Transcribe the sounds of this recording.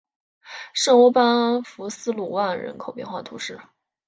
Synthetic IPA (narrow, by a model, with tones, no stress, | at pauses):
ʂɤ˥˩ŋwɔ˥pa˥nfu˧˥sɹ̩˥˧lu˥˩wa˥˩nɻə̰˧˥nkʰo˨˩ʊpjɛ˥˧nxwa˥˩t̪ʰu˧˥ʂɻ̩˥˩